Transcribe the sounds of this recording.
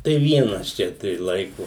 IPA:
tɐɪ ˈʋʲiɛnɐs ˈt͡ʃʲɛ tɐɪ ˈlˠɐɪkʊ

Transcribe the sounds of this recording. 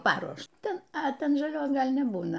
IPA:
ˈpɑːruɔʃtɐ ɐ ˈtʲɛn ʒɐˈlʲoːs ˈɡɐlʲ nʲɛˈbuːnɐ

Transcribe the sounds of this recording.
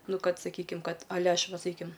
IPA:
ˈnʊ ˈkɐt sɐˈkʲiːkʲɪm ˈkɐt ɐˈlʲɛ ˈɐʃ ˈʋɐ sɐˈkʲiːɪm

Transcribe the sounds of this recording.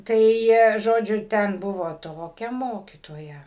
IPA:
ˈtɐɪ ˈʒoːd͡ʒʲʊ ˈtʲɛn ˈbʊʋoː ˈtoːkʲɛ ˈmoːkʲiːtoːjɛ

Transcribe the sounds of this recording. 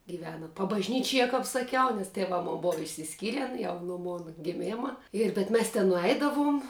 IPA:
ɡʲiːˈʋʲæːnɐ pɐbɐʒʲˈnʲiːt͡ʃʲiɛ kɐp sɐˈkʲɛʊ nʲɛs tʲɛˈʋɑː ˈmoːn ˈboːʋɐ ɪʃʲsʲɪsʲˈkʲiːrʲɛn jɛʊ noː ˈmoːnɐ ɡʲɪˈmʲeːmɐ ɪr bʲɛt ˈmʲɛs tʲɛn nʊˈɛɪdɐʋʊm

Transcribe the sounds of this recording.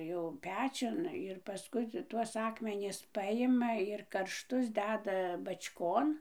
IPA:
jɛʊ ˈpʲæːt͡ʃʲʊn ɪr pɐˈskʊɪ tuɔs ˈɑːkmʲɛnʲɪs ˈpɑːjɪmɐ ɪr kɐrʃˈtʊs ˈdʲæːdɐ bɐt͡ʃʲˈkoːn

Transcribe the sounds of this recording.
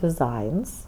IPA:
dʲɪˈzɐɪns

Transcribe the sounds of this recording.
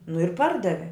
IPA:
nʊ ɪr ˈpɐrdɐʋʲɪ

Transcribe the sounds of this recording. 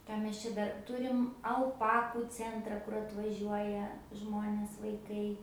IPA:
ˈkɑː mʲɛs ˈt͡ʃʲɛ ˈdɐr ˈtʊrʲɪm ɐlˠˈpɑːkʊ t͡sʲɛnˈtrɐ kʊr ɐtʋɐˈʒʲuɔjɛ ˈʒmoːnʲeːs ʋɐɪˈkɐɪ

